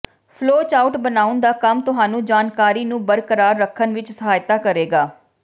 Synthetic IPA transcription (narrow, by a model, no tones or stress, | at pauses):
pʰloːt͡ʃaːʊʈbənaːʊnd̪aːkəmt̪ʊɦaːnũːd͡ʒaːnkaːɾiːnũːbəɾkəɾaːɾːəkʰːənʋɪt͡ʃsəɦaːjt̪aːkəɾeːɡaː